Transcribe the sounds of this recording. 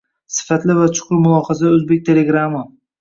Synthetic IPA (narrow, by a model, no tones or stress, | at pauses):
sɪ̥fat̪lɪvat͡ʃʰʊ̥qʊɾmʊlˠɒχɑsaɵzbek̚ʲt̪ʰe̞le̞ɡɾama